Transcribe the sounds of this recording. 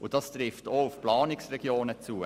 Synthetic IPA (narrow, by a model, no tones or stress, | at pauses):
ʊd̥ɑst̪ɾɪftoʊfplɑːnɪksrɛɡ̥joːnət͡suː